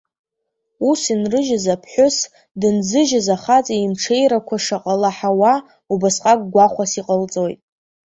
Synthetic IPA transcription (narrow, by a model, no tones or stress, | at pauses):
usinrɨʒazapʰħʷᶣʊs | dɨnzɨʒazaχat͡sʼaimʈ͡ʂʰe̞jɾakʷʰaʂaqʼalaħawa | ubasqʼak̚ʼɡʷaχʷasiqʼəlt͡sʼo̞jtʼ